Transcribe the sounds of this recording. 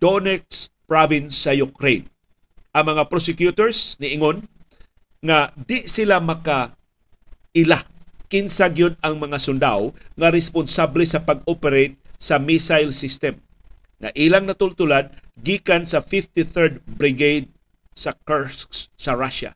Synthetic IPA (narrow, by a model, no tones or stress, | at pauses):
d̪̥onɛkspɹavɪnsːɐjʊkɾejn | ʔɐŋmɐŋapɾosɪkjut̪oɹsnɪʔɪŋon | ŋad̪ɪʔsɪlamɐka | ʔɪlakɪnsaɡjod̪̚ɐŋmɐŋasʊnd̪awŋɐɾɛspʊnsablɛsɐpɐɡ̚opɛɾejt̪̚sɐmisajlsɪst̪ɛm | ŋɐ̰ʔiːlaŋnɐt̪ʊlt̪ʊlad̪ɡiːkansɐfift̪iθɛɹd̪̚bɾɪɡejd̪̚ | sɐkɛskssɐɾaʃa̰